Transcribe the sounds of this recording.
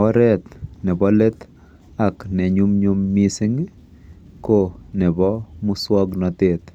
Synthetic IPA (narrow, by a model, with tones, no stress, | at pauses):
ɔ˦ɾɛ˦t̪nɛ˨bɔ˦le˦t̪ | a˨knɛ˨ɲu˦mɲu˦mːi˦sɪ˦ŋ | ko˦nɛ˨bɔ˦mu˦swɔ˦ɡnɔ˨t̪e˨t̪